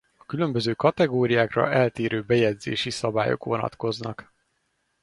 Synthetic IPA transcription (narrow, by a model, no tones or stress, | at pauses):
ɒ̥kylø̞mbøzøːkɒt̪ɛɡoːɾijaːkrɒ̰ɛlt̪eːɾøːbɛjɛd̪zḛːʃisɒbaːjo̞̰kʋo̞nɒ̰t̪ko̞znɒk